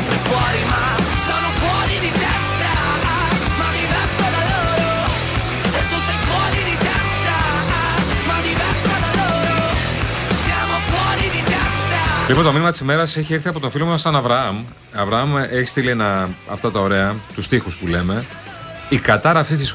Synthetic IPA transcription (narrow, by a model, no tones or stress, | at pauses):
ipoɾimɐ | sɐnopoɾiðit̪es | ɐ | mɐd̪iðɐsɐɾɐlo | ɾo | t̪osekoɾiðit̪e | t̪ɐ | mɐðiðɐsɐnɐloɾo | sɐnopoɾiðid̪eft̪ɐlipont̪o̞minimɐt̪isime̞ɾɐseçiiɾθiɐpo̞t̪ofilomɐsɐnɐvɾɐɐm | ɐvɾɐɐmeçist̪ilienɐɐ̰ft̪ɐt̪ɐo̞ɾe̞ɐt̪ust̪ixuspule̞me̞ | ikɐt̪ɐɾɐːft̪ist̪is